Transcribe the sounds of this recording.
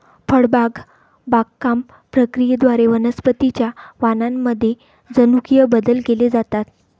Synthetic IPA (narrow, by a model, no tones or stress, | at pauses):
fəɽbaɡ | baɡkːam | pɾəkɾijəd̪ʋaɾeʋənəspət̪it͡ɕjaʋanamːəd̪ʱːje | d͡zənukijəbəd̪əlkeled͡zat̪at̪